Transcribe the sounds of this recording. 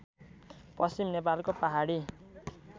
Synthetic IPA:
pʌsimnep̬alkopaɦaɽi

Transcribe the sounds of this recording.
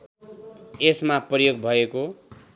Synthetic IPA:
esmaprʌjoɡbʱʌeko

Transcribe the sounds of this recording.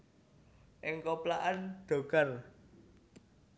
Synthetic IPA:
ʔɪŋkɔplaʔanɖ̪̥o̤ɡ̥ar

